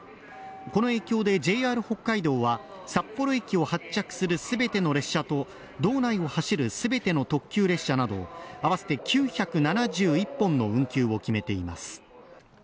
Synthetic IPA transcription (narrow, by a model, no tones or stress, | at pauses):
ko̞no̞e̞ːkʲo̞ːd̪e̞d͡ʑe̞ːaːɾɯ̟ho̞kːaid̪o̞ːβa | sapːo̞ɾo̞ekʲio̞hat͡ɕt͡ɕːakɯ̟̥sɨɾɯ̟sɨbe̞t̪e̞no̞ɾe̞ɕːat̪o̞ | d̪o̞ːnaio̞haɕiɾɯ̟sɨbe̞t̪e̞no̞t̪o̞kʲːɨːɾe̞ɕːanad̪o̞̰aβ̞ase̞̥t̪e̞kʲɨːçakɯ̟nanaʑɨːipːõ̞nːo̞ɯ̟̃ŋkʲɨːo̞kʲime̞t̪e̞ima̰sɨ̥